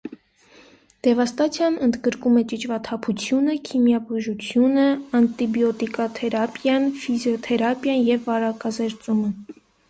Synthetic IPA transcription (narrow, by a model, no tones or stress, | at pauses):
d̪̥ɛvɑst̪ɑt͡sʰjɑnənd̪ɡəɾkumɛt͡ʃit͡ʃʰvɑt̪ʰɑpʰut͡sʰjunəkʰimjɑbuʒut͡sʰjunəɑnt̪ibjɔt̪ikɑt̪ʰɛɾɑpjɑnfizjɔt̪ʰɛɾɑpjɑnjɛvːɑɾɑkɑzɛɾt͡sumə